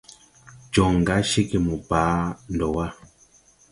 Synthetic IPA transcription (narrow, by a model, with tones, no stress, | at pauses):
d͡ʒɔ˨ŋ˨ɡa˨˦ʃi˦ki˨mu˨paː˨˦n˨dɔ˨wa˦